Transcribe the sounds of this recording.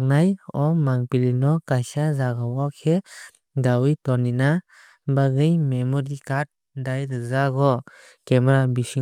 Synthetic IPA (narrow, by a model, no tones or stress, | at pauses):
k̚najɔmaŋpilinɔkajsazaɡawɔkʰɛ | dawijtɔnina | baɡɯjmemɔɾikat̚ | dajɾɯzaɡɔ | kɛmaɾabisi